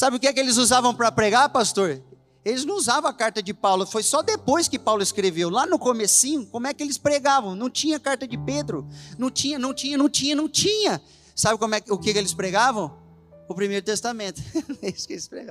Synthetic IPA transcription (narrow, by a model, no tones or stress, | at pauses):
sabɪʊkɪɛkɪelɪzuzavɐ̃w̃pɾɐpɾeɡapast̪oɾ | elɪznɐ̃w̃uzavɐ̃ɐkaɾt̪ɐd͡ʒɪpawlʊfojsɔd̪epojskɪpawlʊɪskɾevewlanʊkomesĩɲʊkõmʊɛkɪelɪspɾeɡavɐ̃w̃nɐ̃w̃t͡ʃĩɲɐkaɾt̪ɐd͡ʒɪped̪ɾʊnɐ̃w̃t͡ʃĩɲɐnɐ̃w̃t͡ʃĩɲɐnɐ̃w̃t͡ʃĩɲɐ̃nɐ̃w̃t͡ʃĩɲɐ | sabɪkõmʊɛkɪʊkɪkelɪspɾeɡavɐ̃w̃ | ʊpɾimejɾʊt̪est̪amẽnt̪ʊ̥ɛisʊ̥kelɪspɾḛɡa